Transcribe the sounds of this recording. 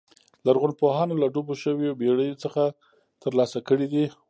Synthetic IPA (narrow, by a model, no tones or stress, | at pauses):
laɾɣʊnpoɦɑnolaɖoboʃəwiobeɽəjot͡səxa | t̪əɾlɑsakəɽid̪i